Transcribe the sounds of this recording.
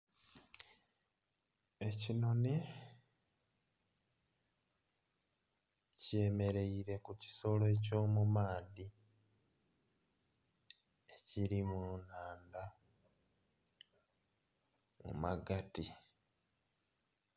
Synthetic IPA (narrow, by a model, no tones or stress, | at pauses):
ecino̞ni | ce̞ːme̞ɾe̞iɾe̞kuci̥so̞loeco̞ːmumaːdi | eciɾimunaːnda | mṵmaɡati